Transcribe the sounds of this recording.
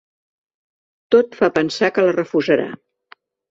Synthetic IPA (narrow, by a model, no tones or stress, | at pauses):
t̪ot̪fapənsakələrəfuzəɾa̰